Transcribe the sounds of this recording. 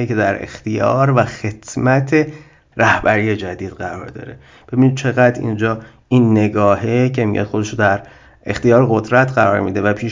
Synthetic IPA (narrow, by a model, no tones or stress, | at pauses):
ece̞d̪æɾḛxt̪ijɒ̰ːɾvæxe̞t̪ʰmæt̪ʰe | ɾæhbæɾiːje̞d͡ʒæd̪iːd̪ɢæɾɒːɾd̪ɒ̰ːɾe | b̥e̞binid̪̚t͡ʃʰe̞ɣæd̪ḭnd͡ʒɒː | ʔinːe̞ɡɒːhecʰe̞mḭjɒ̰ːd̪xo̞d̪e̞ʃod̪æɾ | ext̪ijɒːɾeɣo̞d̪ɾæt̪ʰɢæɾɒːɾmiːd̪evæpʰiːʃ